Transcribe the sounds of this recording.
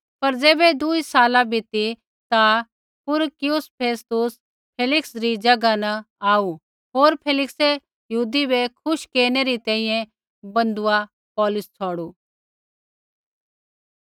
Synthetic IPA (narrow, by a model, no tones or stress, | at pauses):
pɐɾd͡zeːbed̪uisaːlãbʱɪt̪i | t̪a | pʊɾkɪjʊspʰeːst̪ʊs | pʰeːlɪksɾid͡ʒɐɡanɐ | aːu | ɦoːɾpʰeːlɪkse | jɦuːd̪ibekʰʊʃkeːneɾit̪ɛ̃ːĩːjɛ̃ | bɐ̃nd̪ʊa | pɔːlʊst͡sʰɔːɽuː